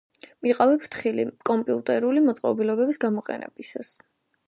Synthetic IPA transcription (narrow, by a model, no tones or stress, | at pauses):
miqʼavɛpʰɾt̪ʰχilḭkʼɔmpʼiut̪ʼɛɾulimɔt̪sʼqʼɔbilɔbɛbisɡamɔqʼɛ̰nɛ̰bisas